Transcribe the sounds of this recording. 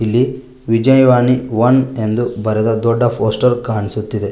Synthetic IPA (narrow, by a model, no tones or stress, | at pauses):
ilːi | ʋid͡ʒɐjɐʋaːniʋɐne̞nd̪ubɐɾɛd̪ɐd̪ɔɖːɐpʰoːsʈɐɾkɐːɐnisut̪ːid̪e̞